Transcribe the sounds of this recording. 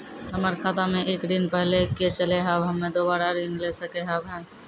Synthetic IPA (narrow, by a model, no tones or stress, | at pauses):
ɦəməɾkʰaːt̪amẽʔeːkɾinpɛɦleket͡ʃəleɦaːbɦɐmːẽd̪oːbaːɾaɾiːnlesəkeɦaːbɦɛ̃ː